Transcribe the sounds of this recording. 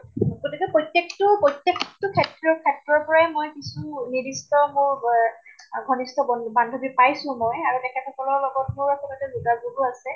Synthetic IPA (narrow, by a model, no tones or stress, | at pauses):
ɡotikɛpɹotːjektʊpojtːjekʰtʊkʰɛtɹɔkʰɛtɹɔɹpɔɹajmojkisunidistɔmʊɹ | ɡʱɔnistɔbɔbandʱobipajsʊ̃mɔjaɹutɛkʰɛpʰɛtɔlɔɹlɔɡɔtmuɹakɔlɔtɛzuɡazuɡuasɛ